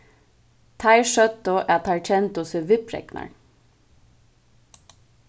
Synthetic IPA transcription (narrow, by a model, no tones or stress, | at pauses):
t̪ʰɑɪʃœt̪oʔæːt̪ʰɑɹt͡ʃɛnt̪ʊsœʋɪpɾɛ̰knɑ̰ɳ